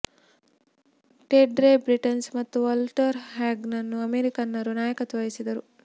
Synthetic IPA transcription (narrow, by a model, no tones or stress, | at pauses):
ʈeɖɾebɾiʈɐnsmɐt̪ːuʋɐlʈɐɾɦaːɡnɐnːuɐmeːɾikɐnːɐɾunaːjɐkɐt̪ɐʋɐjisid̪ɐɾu